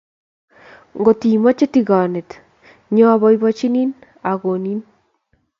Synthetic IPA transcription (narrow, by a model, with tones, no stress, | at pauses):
ŋɡo˨ti˨mɔ˦t͡ʃe˦tiɣɔ˨ne˨t | ɲɔ˦βɔ˦ibɔt͡ʃi˦ni˦n | a˨ɣo˨ni˦n